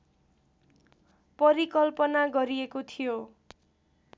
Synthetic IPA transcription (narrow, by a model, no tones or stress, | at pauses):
pʌɾikʌlpʌnaɡʌɾiekot̪ʰijo